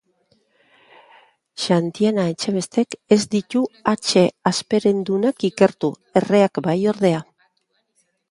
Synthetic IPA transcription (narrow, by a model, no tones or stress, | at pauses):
ʃant̪ianaet͡ʃe̞β̞e̞st̪e̞ke̞zd̪it̪uat͡ʃe̞aspe̞ɾe̞nd̪unakike̞ɾt̪u | e̞re̞akbajo̞ɾðe̞a